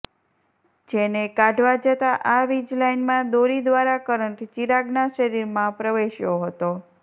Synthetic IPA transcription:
d͡ʒenekaɖʱʋad͡ʒət̪aʔaʋid͡ʒlainmãd̪oɾid̪ʋaɾakəɾəɳʈt͡ʃiɾaɡnaʃəɾiɾmãpɾəʋeʃjoɦət̪o

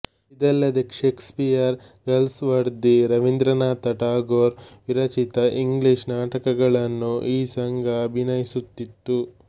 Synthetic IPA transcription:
id̪ɛlːɐd̪ekʃeːkspijɐɾ | ɡɐlsʋɐɾd̪iɾɐʋind̪ɾɐnaːt̪ɐʈaːɡoːɾʋiɾɐt͡ʃit̪ɐʔiŋɡliʃnaːʈɐkɐɡɐɭɐnːuʔiːsɐŋɡʱɐːbʱinɐjisut̪ːit̪ːu

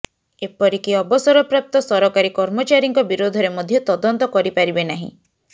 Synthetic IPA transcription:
epɔɾikiɔbɔsɔɾɔpɾap̚t̪ɔsɔɾɔkaɾikɔɾmɔt͡ʃaɾiŋkɔbiɾod̪ʱɔɾemɔd̪ʱjɔt̪ɔd̪ɔnt̪ɔkɔɾipaɾibenaɦḭ̃

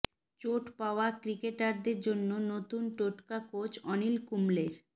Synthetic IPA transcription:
t͡ɕoʈpaoakɾikeʈaɾd̪eɾd͡ʑonːonot̪unʈoʈkakot͡ɕɔnilkumleɾ

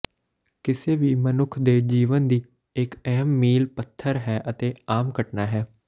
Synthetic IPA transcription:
kɪseːʋiːmənʊkʰd̪eːd͡ʒiːʋənd̪iː | ɪkɛɦəmːiːlpət̪ʰːəɾɦɛːʔət̪eːaːmkəʈnaːɦɛː

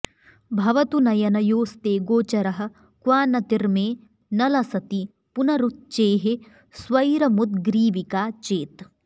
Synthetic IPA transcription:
bʱɐʋɐt̪unɐjɐnɐjoːst̪eːɡoːt͡ʃɐɾɐɦɐ̆ | kʋaːnɐt̪iɾmeː | nɐlɐsɐt̪i | punɐɾut̪̚t͡ʃeːɦe | sʋɐjɾɐmut̪ɡɾiːʋikaːt͡ʃeːt̪

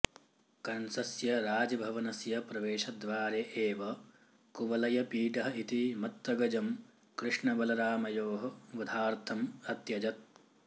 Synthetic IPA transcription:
kɐnsɐsjɐɾaːd͡ʒɐbʱɐʋɐnɐsjɐpɾɐʋeːʃɐd̪ʋaːɾeʔeːʋɐ | kuʋɐlɐjɐpiːʈɐɦɐit̪imɐt̪ʋɐɡɐd͡ʒɐm | kɾɪʂɳɐbɐlɐɾaːmɐjoːɦɐʋɐd̪ʱaːɾt̪ʰɐmɐt̪jɐd͡ʒɐt̪̚

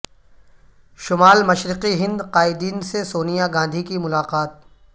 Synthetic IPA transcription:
ʃʊmaːlmɐʃɾɪqiɦɪ̃nd̪qaːɪd̪iːnsesoːnijaɡãːnd̪ʱikimʊlaːqaːt̪̚

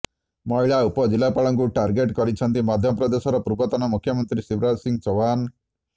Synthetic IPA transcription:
mɔɦiɭaupɔd͡ʒilːapaɭɔŋkuʈaɾɡeʈkɔɾit͡ʃʰɔnt̪imad̪ʱjɔpɾɔd̪esɔɾɔpɾubɔt̪ɔnɔmukʰjɔmɔnt̪ɾisibɾasiŋɡt͡ʃɔwan

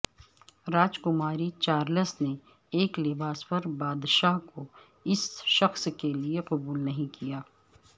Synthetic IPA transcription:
ɾaːd͡ʒkʊmaːɾit͡ʃaːɾləsne | eːklɪbaːspɐɾbaːd̪ʃaːɦko | ɪsʃɐxskelieqɐbuːlnɐɦĩkijaː

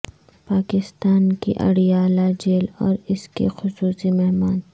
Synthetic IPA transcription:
paːkɪst̪aːnkḭʔɐ̰ɽijaːlad͡ʒeːlɔ̰ːɾɪskḛxʊsuːsimɛɦmaːn

